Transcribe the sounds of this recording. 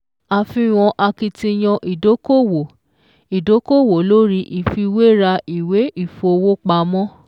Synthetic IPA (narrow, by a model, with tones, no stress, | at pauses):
a˧fĩ˧˦w̃ɔ̃˧ʔa˧ki˧tĩ˧j̃ɔ̃˧ʔi˨do˨˦ko˦wo˨ | i˨do˨˦ko˦˨wo˨lo˦ɾi˦ʔi˨fi˧we˦ɾa˧i˨we˨˦i˦˨fo˨˧o˧wo˦k͡pa˧mɔ̃˦